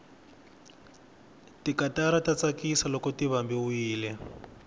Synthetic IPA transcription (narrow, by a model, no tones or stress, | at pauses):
tikataɾatat͡sakisalɔkɔtiβambiwiːlɛ